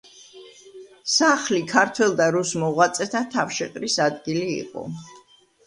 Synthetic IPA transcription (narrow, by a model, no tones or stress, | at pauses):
saχlikʰaɾt̪ʰwɛlˠd̪aɾusmɔʁwat̪sʼɛt̪ʰat̪ʰafʃɛqʼɾisad̪ɡilḭːqʼɔ̰